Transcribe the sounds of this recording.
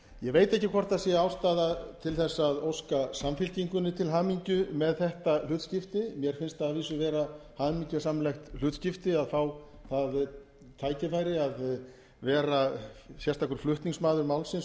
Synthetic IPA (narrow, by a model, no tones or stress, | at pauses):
jɛɣveːjt̪ɛhcːɪkʰvɔr̥t̪aðsɛaːwst̪aːðat̪ʰɪlθɛsːaðowskasamfɪlciŋkʏnːɪt̪ʰɪlɦaːmiɲcʏmɛðθɛht̪al̥ʏːt̪scɪft̪ɪmjɛɾ̥fɪnst̪aaviːsʏvɛːɾahaːmiɲcʏsamlɛjxt̪lʏːt̪scɪft̪ɪaðfaːw | θað | t̪ʰaːjcɪfajɾɪað | vɛːɾasjɛst̪akʏɾ̥flʏht̪niŋsmaːðʏɾmawlsɪns